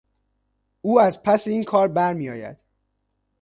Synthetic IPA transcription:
uːæzpʰæseiːnkʰɒːɾbæɾmijɒ̰ːjæ̰d̪̥

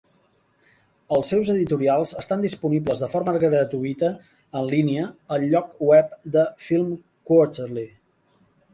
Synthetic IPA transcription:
əlˠsɛwzəðit̪uɾialˠzəst̪and̪ispunibləzðəfoɾməɣɾət̪uit̪əː | nliniəəlʎɔkwɛp̚d̪əfilˠm | kot̪ərli

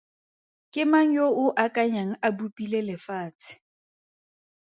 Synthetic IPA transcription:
kʼɪmaŋ̩joʔʊʔakʼaɲaŋ̩abupʼilelɪfaːt͡sʰʼɪ̥

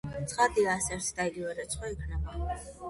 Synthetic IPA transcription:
t̪sʰχad̪iaːsɛɾt̪ʰd̪aiɡivɛɾɛt̪sʰχwaikʰnɛba

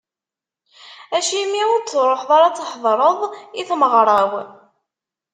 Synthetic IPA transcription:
æʃimiʊɾt͡sːɾˤoħðˤɑɾˤɑt͡sːħðˤɾˤəðˤiθməʁɾˤɑw

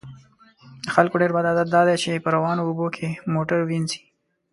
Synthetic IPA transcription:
d̪əxalkoɖeɾbad̪ad̪at̪̚d̪ɑd̪et͡ʃepəɾawɑnoːbokʰemoʈəɾwinzi̥

